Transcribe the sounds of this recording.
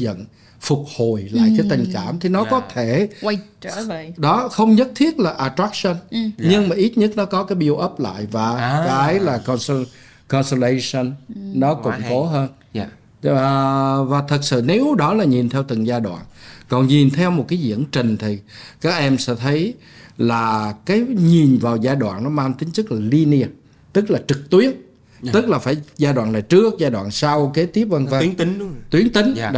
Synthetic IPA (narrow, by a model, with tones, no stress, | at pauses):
zə̰˧˨n | fʊ˨˩k͡p̚ho˨˩jla̰ː˧˨jt͡ɕɔ˧˦t̪ï˨˩ŋ̟kaː˧˩mt̪ʰi˨˩nɔ˨˦kɔ˨˦t̪ʰe˧˩˧ | ɗɔ˨˦xə˧wŋ͡mɲə˦˥t̚t̪ʰi˦˥ət̚laː˨˩ʔaː˨˩t̪ɾaː˦˥k̚sə˧nɲɨ˧ŋmaː˨˩ʔi˦˥t̚ɲə˦˥t̚nɔ˨˦kɔ˨˦kaː˨˦jɓi˧əwʔə˦˥p̚la̰ː˧˨jvaː˨˩kaː˨˦jlaː˨˩kɔ˧ns | kɔ˧nso˧le˧jsə˧nːɔ˨˦kʊ̰˧˨ŋ͡mko˨˦ɦəː˧n˨ | vaː˨˩t̪ʰə˨˩t̚sɨ̰˧˨ne˨˦˨ɗɔ˨˦laː˨˩ɲi˨˩nt̪ʰɛ˧wt̪ɨ˨˩ŋzaː˧jɗwa̰ː˧˨nkɔ˨˩nɲi˨˩nt̪ʰɛ˧wmo˨˩t̚kaː˨˦jzḭ˧əŋt͡ɕï˨˩ŋ̟t̪ʰi˨˩kaː˦˥k̚ʔɛ˧msɛ̰˧˥t̪ʰə˨˦j | laː˨˩kaː˨˦jɲi˨˩nvaː˨˩wzaː˧jɗwa̰ː˧˨nnɔ˨˦maː˧nt̪ï˨˦ŋ̟t͡ɕɨ˦˥k̚laː˨˩li˧ni˧ə˧ | t̪ɨ˦˥k̚laː˨˩t͡ɕɨ˨˩k̚t̪wi˨˦ən | t̪ɨ˦˥k̚laː˨˩faː˧˩jzaː˧jɗwa̰˧˨naː˨˩jt͡ɕɨ˦˥ək̚zaː˧jɗwa̰ː˧˨nsa˧wke˨˦t̪i˦˥əp̚və˧ŋva˧˨˦t̪wi˨˦əŋt̪ï˨˦ŋ̟